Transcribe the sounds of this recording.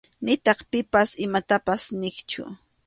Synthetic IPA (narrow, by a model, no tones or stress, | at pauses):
nɪt̪ɑχpɪpasɪmat̪apasnɪkt͡ʃʊ̰